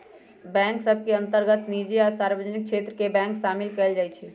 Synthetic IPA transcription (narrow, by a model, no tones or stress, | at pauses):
bɛ̃ŋksəbʱkeə̃nt̪əɾɡət̪nid͡ʒeaɾsaɾbəd͡ʒənik̚t͡ʃʰet̪ɾəkebɛ̃ŋksaːmilkɛld͡ʒaːjt͡ʃʰɛ